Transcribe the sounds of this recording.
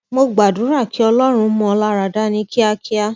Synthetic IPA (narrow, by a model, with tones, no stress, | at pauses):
mo˧ɡ͡ba˨dũ˨˦ɾa˦˨ki˨˦ɔ˧lɔ˦ɾ̃ũ˧˦mɔ̃˧ɔ˧la˦ɾa˨da˦nĩ˧˦kʰi˦a˧kʰi˦a˦